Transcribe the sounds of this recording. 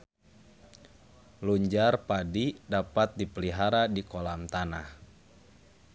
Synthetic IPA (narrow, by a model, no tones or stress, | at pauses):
luɲd͡ʒarpadidapat̪̚dipəliɦaɾadikɔlamt̪anah